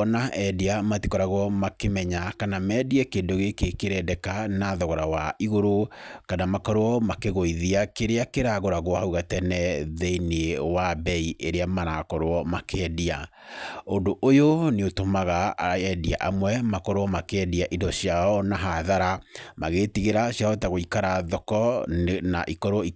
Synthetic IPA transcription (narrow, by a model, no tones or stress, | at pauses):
ɔnaʔɛdiamatikɔɾaɣɔmakemɛɲakanamɛːdiɛkeːndoɣekekeɾɛdɛkanaðɔɣɔɾawaiɣoɾokanamakɔɾwɔmakeɣoiðiakeɾeakeɾaɣoɾaɣwɔhauɣatɛnɛðɛinewabɛieɾeamaɾakɔɾoɔmakɛdia | ondoʔojoneotomaɣaɛdia̰ʔamwɛmakɔɾwɔmakɛdiaʔidɔɕiaɔnaɦaðaɾamaɣeːtiɣeɾaɕjaɔtaɣoikaɾaðɔkɔna̰ʔikɔɾwɔi